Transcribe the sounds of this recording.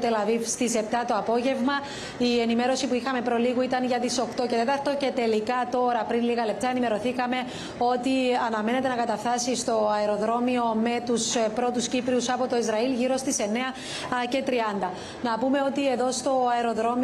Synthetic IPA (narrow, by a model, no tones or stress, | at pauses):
t̪elɐðist̪ise̞pt̪ɐt̪oɐpo̞ʝe̞vmɐ | ienime̞ɾo̞sipuixɐme̞pɾo̞liɣuit̪ɐnʝɐt̪iso̞kt̪o̞ce̞t̪e̞t̪ɐɾt̪o̞ce̞t̪e̞likɐt̪o̞ɾɐpɾinliɣɐle̞p̚t̪ɐe̞nime̞ɾo̞θikɐme̞ | o̞t̪iɐnɐme̞ne̞t̪e̞nɐkɐt̪ɐft̪ɐsist̪o̞ɐeɾo̞ðɾo̞mio̞me̞t̪uspɾo̞t̪uscipɾiusɐpot̪o̞izɾɐilʝiɾo̞st̪ise̞ne̞ɐ | ce̞t̪ɾiɐnd̪ɐ | nɐpume̞o̞t̪ie̞ðo̞st̪o̞ɐeɾo̞ðɾo̞m